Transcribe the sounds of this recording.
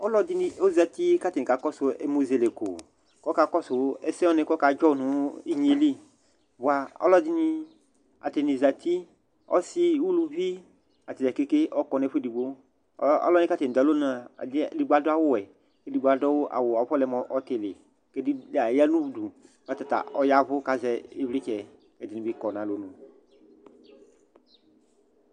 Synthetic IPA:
ɔ˦lɔ˦di˦ni˧o˦za˧t̪i˦ka˦t̪e˨ni˨ka˨kɔ˦so˧e˦mu˦ze˨le˨ko̰˨ | kɔ˦ka˧kɔ˦so˨˦ɛ˦sɛ̃˦ɔ˦nẽ˧kɔ˦ka˧d͡ʒɔ˦˨nũ˨˦i˦ɲe˨˦li˦ | bu˨a˧ɔ̰˦lɔ˦di˦nĩ˧ | a˨t̪e˨nĩ˨za˨t̪i˦ | ɔ̰˦si˦wu˦lu˧vi˦ | a˨t̪i˨ɛ˨ke˦ke˦ʔɔ˦kɔ˧nɛ˧˦ɸe˦di˨ɡ͡bo˦ | ɔ̰˦lɔ˦nĩ˦ka˦t̪e˨n˨d̪a˨lo˦n˦a˨˦˨di˨ɡ͡ba˨dɔ˦a˨wʊ˦wɛ˨ | ke˦di˨ɡ͡ba˨dɔ˦wo˦ʔa̰˨wʊ˨a˨˦ɸɔ˦lɛ˨mɔ˨ʔɔ˦t̪ɪ˨lɪ˨ | ke˦di˦la˨ja˦nũ˦bu˨du˨ | a˦t̪a˨t̪a̰˨ɔ˦ja˦vʊ˦ka˦zɛ˦e˦vli˦t͡ʃɛ˨ | ɛ˨di˨nĩ˨bi˦kɔ˨nã˨lo˨˦nũ˨

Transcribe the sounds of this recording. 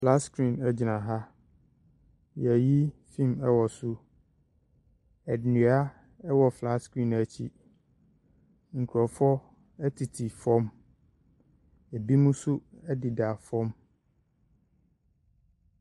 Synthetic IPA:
fla˦skɾĩ˨nɛ˨d͡ʑɪ˨nã˨ɦa˦ | jɛ˨ji˦fĩ˦˨mɛ˦wɔ˨sʊ˦ | ɛ˨dɪ˨nĩ˨˦a˦ | ɛ˦wɔ˨fla˦skɾĩ˦˨næ˨t͡ɕʰi˦ | ŋ̩˨kʰu˨ɔ˨fɔ˦ | ɛ˦tʰi˨tʰi˨fɔ̃˦m | æ˨bi˦mũ˦sʊ˦ɛ˦dɪ˨da˨fɔ̃˦m

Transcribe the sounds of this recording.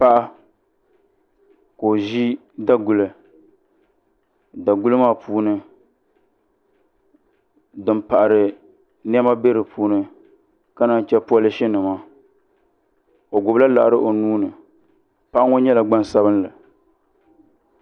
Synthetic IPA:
pa˦ʔa˦ | ko˨ʒi˦ | da˦ɡu˨lɨ˨ | da˨ɡu˦lɨ˦maː˦˨puː˦nɨ˦ | dɨ˨mpa˨ʔa˨ɾɨ˨ | ni˦ɛ˦ma˦be˦ɾɨ˨pʰuː˦nɨ˨ | ka˦na˦n˨t͡ʃɛ˦pa˦lɪ˦ʃɪ˦nɨ˨maː˦ | o˨ɡʊ˨bla˦la̰˨ʔa˨ɾɨ˦ʔo˨nuː˦nɨ˨ | pa˦ʔa˦ŋo˦ɲɛ˦la˨ɡ͡ba˦n˨sa˦bɨ˦n˦la˨

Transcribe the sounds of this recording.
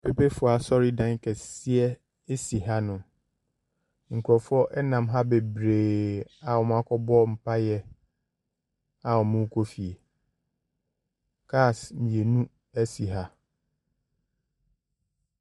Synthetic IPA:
pʰe˨pe˦fʊ˨˦˨a˨sɔ˦ɾi˦dã˦ŋ˦kʰɛ˨si˦ɛ˦ | e˦si˨ɦa˦nʊ̃˨ | ŋ̩˨kʰu˨ɾɔ˨fʊ˦ɔ˦ʔɛ˦nã˨mɦa˦be˨bɾeː˨a˨ɔ˨m̃˦a˦kʰɔ˦bɔ˦m̩˨pʰa˦jɛ˦ | a˨ɔ˨mʊ̃˦kʰo˦fi˨e˨ | kʰaː˦˨smĩ˨e˨nũ˦ | æ˦si˨ɦa˦

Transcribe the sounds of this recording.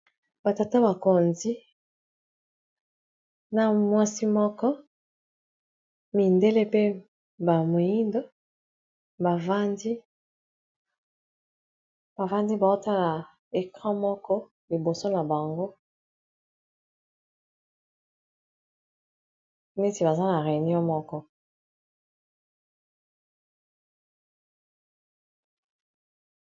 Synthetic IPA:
ba˨ta˨ta˦ba˨ko˨nzi˦ | na˨mwa˦si˦mɔ˦kɔ˦ | mi˨nde˦le˦pe˦ | ba˨mo˨ji˦ndo˦ | ba˨va˦ndi˦ | b̥a˨va˦ndi˦ba˨o˦ta˦la˨ | e˨kʁã˦mɔ˦kɔ˦ | li˨bo˨so˦na˨ba˨ŋɡo˦ | ne˦ti˨ba˨za˦na˨ʁe˨ni˦ɔ˦mɔ˦kɔ˦

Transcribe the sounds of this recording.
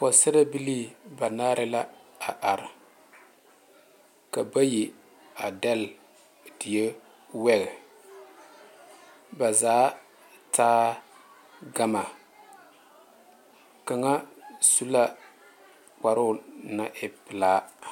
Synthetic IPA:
pɔ˨sɪ˦ɾa˦bi˦li˦ba˨naː˦ɾɪ˦la˦a˨ʔa˨ɾɪ˨ | ka˨ba˦ji˨ | a˨dɛ˦l | dɪ˨je˦ | wɛ˦ɣɛ˨ | ba˨zaː˨˦ | taː˦ | ɡa˦ma˨ | ka˨ŋa˦su˦la˦ | k͡pa˨ɾʊ˦na˨ʔɪ˨pɪ˨laː˦

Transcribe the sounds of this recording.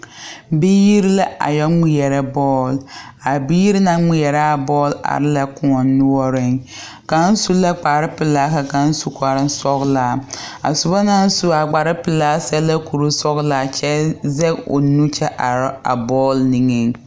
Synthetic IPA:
biː˦ji˦ɾi˦la˦ʔa̰˨jɔ˦mi˦jɛ˨ɾɛ˦bɔː˦˨la˨biː˦ji˦ɾi˦na˦mi˦jɛ˨ɾɛ˦a˨bɔː˦la̰˨ɾɪ˦la˦kʊ˦ɔ˨nʊ˦ɔ˦ɾɪ˨ŋ | ka˨˦n̩˦su˦la˦k͡pa˨ɾɪ˦pɪ˨laː˦ka˨ka˨n̩˦su˦kʷa˨ɾɪ˦n˦sɔ˦ɣlaː˨a̰˨sʊ˨bɔ˦na˦n̩˦su˦a˨ɡ͡ba˨ɾɪ˦pɪ˨laː˦sɛ˦lɛ˦ku˨ɾu˦sɔ˦ɣlaː˦˨t͡ʃɛ˦zɛ˦o̰˨nu˦t͡ʃɛ˦ʔa˨ɾa̰˨bɔː˦lni˨ŋe˦ŋ

